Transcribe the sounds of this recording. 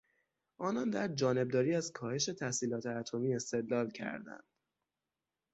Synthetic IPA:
ʔɒːnɒnd̪æɾd͡ʒɒːne̞b̚d̪ɒːɾiːæzkʰɒːhe̞ʃe̞t̪ʰæhsiːlɒːt̪ʰeæt̪ʰomiːe̞st̪e̞d̪lɒːlcʰæ̰ɾd̪æ̰nd̪̥

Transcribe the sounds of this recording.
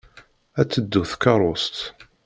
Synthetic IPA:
æt͡sːəd̪ːuθkɑɾˤost̪

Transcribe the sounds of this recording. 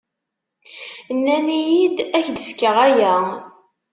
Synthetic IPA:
nːænijid̪æçd̪əfkəʁæjæ

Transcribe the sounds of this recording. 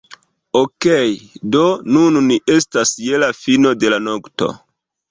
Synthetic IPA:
okejdo̞nunniʔe̞stasje̞lafino̞de̞lanokto̞̰

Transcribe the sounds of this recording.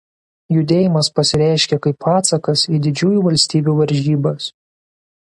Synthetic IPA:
jʊd̪ʲeːjɪmɐspɐsʲɪɾʲæˑɪʃʲkʲɛkɐɪpɑːt̪sɐkɐsiːd̪ʲɪd͡ʒʲuːjuːʋɐlʲsʲt̪ʲiːbʲuːʋɐɾʲʒʲiːbɐs

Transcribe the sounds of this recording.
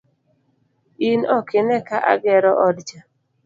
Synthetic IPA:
inɔkɪnɛkaʔa̰ɡɛɾɔʔɔdd͡ʒa

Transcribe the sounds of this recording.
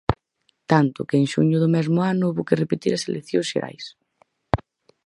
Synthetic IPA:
t̪ant̪ʊkeeŋʃṵɲʊðʊmɛzmʊanʊuβokerepet̪iɾɐselʔekθjõsʃḛɾa̰js

